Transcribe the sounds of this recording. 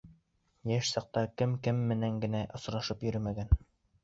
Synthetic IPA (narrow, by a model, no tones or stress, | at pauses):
jæʃsɑq̚t̪ɑkɘmkɘmːɘ̆næŋɡɘ̆næʔŏs̆ɾɑʃɤpjɵ̆ɾɘmæɡæn